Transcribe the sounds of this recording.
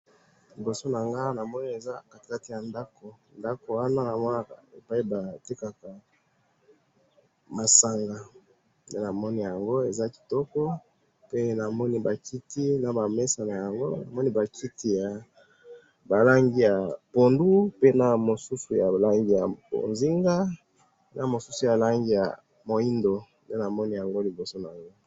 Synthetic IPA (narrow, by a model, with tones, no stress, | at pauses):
li˨bo˨so˦na˨ŋɡa˦na˨mɔ˦ni˦e˨za˦a˨ka˦ti˨ja˨nda˦ko˨ | nda˦ko˨wa˦na˦na˨mɔ˦na˦ka˨e˨pa˦i˦ba˨ti˦ka˨ka˨ | ma˨sa˨ŋɡa˨ | de˦na˨mɔ˦ni˦ja˨ŋɡo˦e˨za˦ki̥˨tɔ˦kɔ˦ | pe˦na˨mɔ˦ni˦ba˨kʰi˦ti˦na˨ba˨me˦sa˨na˨ja˨ŋɡo˦na˨mɔ˦ni˦ba˨kʰi˦ti˦ja˨ | ba˨la˦ŋɡi˦ja˨po˨ndu˦pe˦na˨mo˨su˦su˨ja˨la˦ŋɡi˦ja˨bo̰˨nzi˦ŋɡa˦ | na˨mo˨su˦su˨ja˨la˦ŋɡi˦ja̰˨ | mo˨i˦ndo˨nde˦na˨mɔ˦ni˦ja˨ŋɡo˦li˨bo˨so˦na˨ŋɡo˦